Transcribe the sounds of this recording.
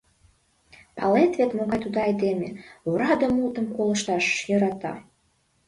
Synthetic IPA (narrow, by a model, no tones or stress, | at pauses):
pɑ̰let̪vet̪moɣɑjt̪ud̪ɑɑjd̪emʲḛuɾɑd̪əmult̪ə̆mkolə̆ʃt̪ɑʃjɤ̆ɾɑt̪ɑ̰